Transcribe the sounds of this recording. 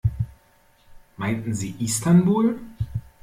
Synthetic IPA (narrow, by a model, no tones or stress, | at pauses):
maɪntn̩ziːʔistanbuːl